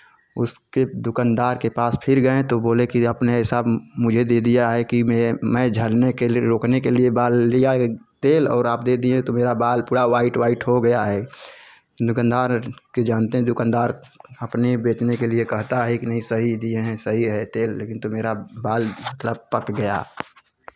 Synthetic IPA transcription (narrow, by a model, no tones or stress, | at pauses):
ʊ̰sked̪ʊkand̪aːɾkepaːspʰɪɾɡəẽt̪oboːlekiɐpneɦɪsaːbmʊd͡ʒʱed̪eːd̪ijaɦɛkimemɛ̃ːd͡ʒʱəlnekeɾoːknekeliebaːlːijat̪eːlɔ̰ːɾaːpd̪eːd̪iɛ̃t̪omeːɾabaːlpuːɽaʋaːɪʈwaːɪʈɦoɡəjaɦɛː | d̪ʊkənd̪aːɾked͡ʒaːnt̪eɦɛ̃d̪ʊkãnd̪aːɾɐpnebeːʈnekeliekɐɦt̪aɦɛkinɐɦĩsəɦid̪ieɦɛ̃səɦiɾəɦet̪eːlːeːkɪnt̪omeːɾabaːlmət̪ləb̚pəkɡɐja̰